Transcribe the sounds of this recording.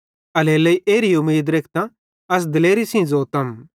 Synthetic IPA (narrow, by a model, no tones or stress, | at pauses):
ɐleːlɐiʔeːɾiʊmiːd̪ɾeːkʰt̪ã | ɐs̬d̪ɪleːɾisĩd͡zoːt̪ɐm